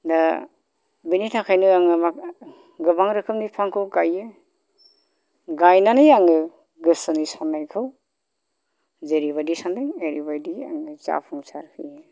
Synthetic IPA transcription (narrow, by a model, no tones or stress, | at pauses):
da | binitʰakʰajnɯaŋɯma | ɡɯbaŋɾɯkʰɯmnipʰaŋkʰɯwkajːɯ | ɡajnanɯjaŋɯ | ɡɯsɯnisanːajkʰɯw | zeɾiβadisandaŋeɾibajdia̰ŋɯt͡ʃa̰pʰɯŋsaɾkʰɯ̰jɯ